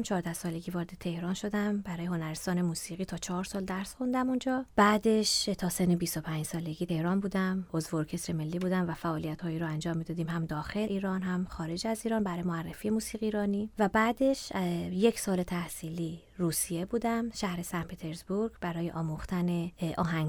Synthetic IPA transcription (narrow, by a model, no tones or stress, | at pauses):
mt͡ʃʰɒːɾd̪æhsɒːle̞ɡivɒːɾed̪et̪ʰe̞hɾɒːnʃo̞d̪æmbæɾɔːje̞ɦo̞næɾest̪ɒːne̞muːsiːɣiːt̪ʰɒːt͡ʃʰɒːɾsɒːld̪æɾsxund̪æmund͡ʒɒːb̥æːd̪e̞ʃt̪ʰɒːsenːebist̪o̞pʰænd͡ʒsɒːle̞ɡit̪ʰe̞hɾɒːnbuːd̪æmozvoɾcʰe̞sɾeme̞lːiːbuːd̪æmvæfæʔɒːlijæt̪hɒːiɾɔænd͡ʒɒːmːid̪ɒːd̪iːmhæmd̪ɒːxe̞leʔiːɾɒːnhæmχɒːɾe̞d͡ʒæziːɾɒːnbæɾɒːjemoærːefiːje̞muːsiːɣiːɾɒːnivæbæːd̪e̞ʃje̞cʰsɒːle̞t̪ʰæhsiːli | ruːsije̞buːd̪æmʃæhɾesænd̪pʰet̪ʰe̞ɾzbuɾɡbæɾɒːjeʔɒːmuxt̪æneʔɒːɦæŋɡ